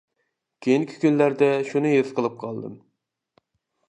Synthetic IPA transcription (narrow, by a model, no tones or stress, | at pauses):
kʲʰejiŋkʲʰi̥kʲynlæɾd̪ɛʃunɨjezqʰəlˠɨp̚qʰɑlˠd̪ɨ̰m